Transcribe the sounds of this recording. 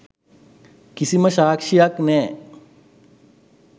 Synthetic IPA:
kisiməʃaːkʂijaknɛː

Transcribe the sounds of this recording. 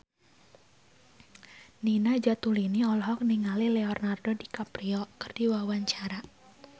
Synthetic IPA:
ninad͡ʒat̪uliniɔlɔɦɔk̚niŋalileɔrnardodikapɾiɔkɨrd̥iwawaɲt͡ʃaɾa

